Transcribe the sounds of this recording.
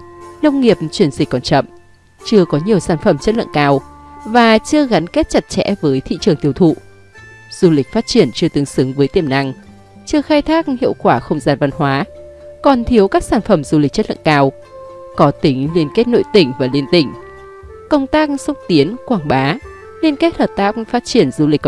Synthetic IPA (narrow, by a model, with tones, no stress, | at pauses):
nə˧wŋ͡mŋi˨˩əp̚t͡ɕwi˧˩ənzi˨˩k̚kːɔ˨˩nt͡ɕə̰˧˨m | t͡ɕɨ˧əkɔ˨˦ɲi˨˩əwsaː˧˩nfə˧˩mt͡ɕə˦˥t̚lə̰˧˨kaː˧wvaː˨˩t͡ɕɨ˧əɣa˨˦nke˦˥t̚t͡ɕa˨˩t̚t͡ɕɛ̰˧˥vəː˨˦jt̪ʰḭ˧˨t͡ɕɨ˨˩əŋt̪i˧əwt̪ʰṵ˧˨ | z̥u˧lï˨˩k̟̚faː˦˥t̚t͡ɕi˧˩ənt͡ɕɨ˧ət̪ɨ˨˦ŋsɨ˨˦ŋvəː˨˦jt̪i˧˩əmna˧ŋ | t͡ɕɨ˧əxaː˧jt̪ʰaː˦˥k̚hḭ˧˨əwkwaː˧˩xə˧wŋ͡mzaː˧nva˧nhwaː˨˦kɔ˨˩nt̪ʰi˨˦əwkaː˦˥k̚saː˧˩nfə˧˩mzu˧li̟˨˩t͡ɕə˦˥lɨ̰˧˨nkaː˧w | kɔ˨˦t̪ï˨˦ŋli˧ənke˦˥t̚no̰˧˨jt̪ï˧˩ŋ̟vaː˨˩li˧ənt̪ï˧˩ŋ̟ | kə˧wŋ͡mt̪aː˦˥k̚swə˦˥t̚t̪i˨˦ənkwaː˧˩ŋɓaː˨˦ | li˧ənke˦˥t̚həː˨˩p̚t̪aː˦˥k̚faː˦˥t̚t͡ɕi˧˩ənzu˧li˨˩